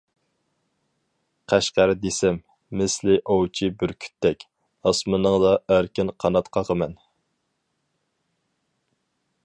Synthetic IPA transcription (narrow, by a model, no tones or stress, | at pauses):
qʰæʃqæɾd̪esɛmː | ɪslɪʔowt͡ʃʰibɪɾkʲʰy̥t̪ʰːɛkʲ | ɑsmɨnəŋd̪ɑʔæɾkʲɪnqʰɑnɑt̪qʰɑʁəmɛn